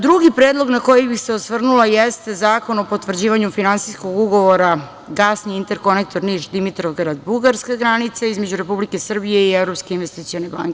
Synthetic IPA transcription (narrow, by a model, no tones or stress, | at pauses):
d̪ɾuɡipɾeːd̪lˠo̞ɡnako̞jibixseosʋr̩nulˠajest̪e̞zaːko̞no̞po̞t̪ʋr̩d͡ʑiːʋaɲufinansisko̞ɡuɡo̞ʋo̞ɾa | ɡasniint̪e̞ɾko̞nek̚t̪o̞ɾniʃd̪imit̪ɾoʋɡɾad̪buɡaɾskaɡɾanit̪saizmed͡ʑuɾe̞publike̞sr̩bije̞ievɾo̞pskeinʋest̪it̪sio̞neba̰ŋke